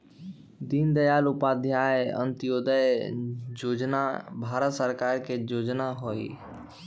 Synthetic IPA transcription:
d̪ind̪əjaːlʊpad̪ʱjaə̰̃nt̪ɪjoːd̪əjd͡ʒoːd͡ʒnabʱaːɾət̪səɾkaːɾked͡ʒoːd͡ʒnaɦoḭ

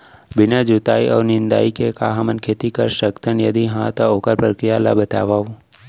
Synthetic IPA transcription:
bɪnad͡ʒut̪aːiʔɔ̰ːʋnɪnd̪a̰ːikekaːɦamənkʰeːt̪ikəɾʃəkt̪ʰənjəd̪iɦãt̪ookəɾpɾəkɾijala̰bət̪a̰ʋaːʋũ

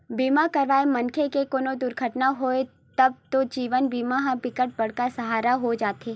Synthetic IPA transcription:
biːmakɐɾʋaːemɐnkʰekekoːnod̪ʊɾɡʰʱəʈnaɦoːe | t̪ɐb̚t̪od͡ʒiːʋənbiːmaɦãbɪkəʈ̚bɐɽkasɐɦaːɾaɦod͡ʒaːt̪eː

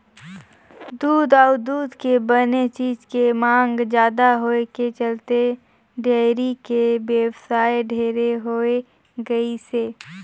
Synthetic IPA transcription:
d̪uːd̪ɔːʊd̪uːd̪kebənet͡ʃiːd͡ʒkemãːŋɡd͡ʒjaːd̪aɦoːeket͡ʃəlt̪e | ɖeːɾikebeːwsaːeɖʱeːɾeɦoe | ɡɐiseː

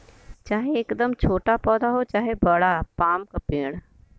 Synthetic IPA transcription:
t͡ʃaːɦeːkd̪əmt͡ʃʰoːʈapɔːd̪aɦot͡ʃaːɦebɐɽapaːmkapẽːɽ

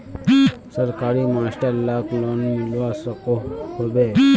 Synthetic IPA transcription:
səɾkaːɾimaːsʈəɾlaːklonmɪlʋasəkohobe

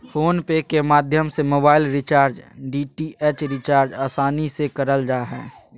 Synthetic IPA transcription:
fʰoːnpekemaːd̪ʱjəmsemoːbaːɪlɾɪt͡ʃaːɾd͡ʒɖiʈiʔeːt͡ʃɾɪt͡ʃaːɾd͡ʒaːsaːnisekəɾəld͡ʒaːɦɛ̰ː

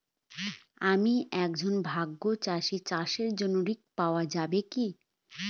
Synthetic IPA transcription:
amiɛk̚d͡ʑonbʱaɡːot͡ɕaʃit͡ɕaʃeɾd͡ʑonoɾik̚paoad͡ʑabeki

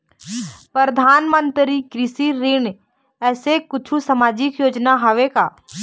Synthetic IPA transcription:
pəɾəd̪ʱaːnmə̃nt̪ɾikɾɪsiɾɪn | ɛːsekʊt͡ʃʰusɐmaːd͡ʒɪkjoːd͡ʒnaɦɐʋekaː

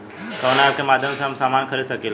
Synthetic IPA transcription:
konab̚kemaːd̪ʱjəmseɦɐmsaːmaːnkʰəɾid̪səkil

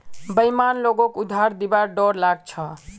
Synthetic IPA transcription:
bəjmanloɡokud̪ʱaɾd̪ibaɖɔɾlaɡt͡ʃʰʌ

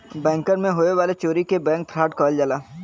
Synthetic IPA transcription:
bɛ̃ːŋkəɾmẽɦoːeʋaːlet͡ʃoːɾikebɛ̃ːŋk̚t̪ʰɾaːʈkɔːld͡ʒəlaː

